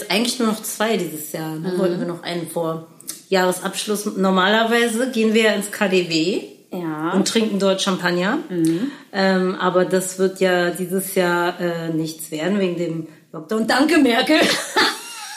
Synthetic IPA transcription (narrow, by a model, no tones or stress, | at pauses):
sʔaɪɡŋ̩tlɪçnuːɐnɔχt͡sv̥aɪdiːzəsjaːɐnəvɔltn̩viːɐnɔχʔa̰ɪnənfoːɐ | jaːʁəsʔapʃlʊsnɔɐmaːlɐvaɪzəɡeːənviːɐjaːɪnskʰaːdeːveːjʊntːʁ̥ɪŋkŋ̩dɔɐtʃampʰanjɐ | ʔɛːmʔaːbɐdasv̥ɪɐtjaːdiːzəsjaːɐʔɛːnɪçt͡sv̥eːɐdn̩veːɡŋ̩deːm | ɔk̚taʊn̚d̥aŋkəmɛɐkl̩